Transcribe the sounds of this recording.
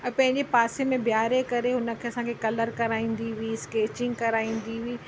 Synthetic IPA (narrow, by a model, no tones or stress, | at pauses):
ɛ̃pɐ̃ɦɪ̃ɲd͡ʑepaːsemẽbʱjaːɾekɐɾeɦʊnə̆kʰeːɐsãːkʰekɐləɾkɐɾaːĩːn̆d̪iʋiskeːt͡ɕɪ̃ŋɡ̚kɐɾaːĩːn̆d̪iʋiː